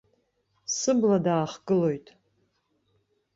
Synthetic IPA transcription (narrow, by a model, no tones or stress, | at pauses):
sɨbladaːχɡɨlo̞jtʼ